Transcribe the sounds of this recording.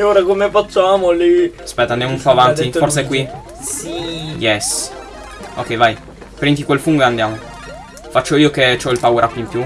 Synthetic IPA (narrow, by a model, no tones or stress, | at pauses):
ɲoːɾakomefat͡ʃːamoliaspɛt̪ːanɛmnuɱfaːvant̪iorsekwi | jɛs | o̰kːɛjvaj | pɾiŋt̪̬ikwelfuŋɡeand̪jaːmo | fat͡ʃːoiːoket͡ʃɔilpawɾʔakːoimpju